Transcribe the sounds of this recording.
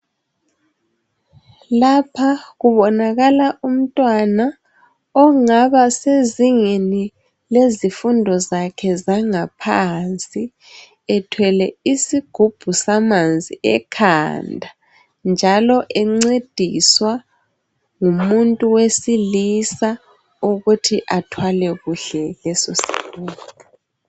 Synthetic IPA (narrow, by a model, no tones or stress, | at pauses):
lapʰaɣuβɔnaɣalaʔum̩tʼwana | ɔŋaβaseziŋeni | lezifundʱɔzakʰɛzaŋapʰant͡sʼi | ɛtʰwɛlɛisiɡ̥ʱub̥ʱusamand͡zʱiɛkʰa̰ndʱa | nd͡ʒʱalɔʔɛŋ͡ǀed̥ʱiswa | ŋumuntʼuwesilisa | uɣutʰiʔatʰwalɛɣuɬɛlɛsosi̥̰luːlɔ